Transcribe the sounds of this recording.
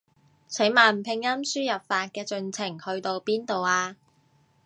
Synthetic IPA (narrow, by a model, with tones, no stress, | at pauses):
t͡sʰe˨˥jmaː˨˩n̩˨pʰɪ˧ŋjɐ˥msyː˥jɐ˨p̚faː˧t̚kɛː˧t͡sɵ˨˧nt͡sʰɪ˨˩ŋhɵ˧ɥt̪o˧wpiː˥nt̪o˨waː˧